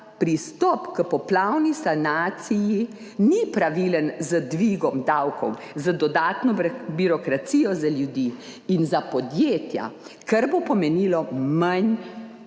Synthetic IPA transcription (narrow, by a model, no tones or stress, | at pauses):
pɾist̪ɔpkəpɔplawnisanaːt̪siji | nipɾaʋilənzəd̪ʋiɡɔmd̪awkɔ̰w | zəd̪ɔd̪aːt̪nɔbiɾɔkɾat̪siːjɔzaljud̪i | inzapɔd̪jeːt̪ja̰ | kaɾbopɔmɛnilɔman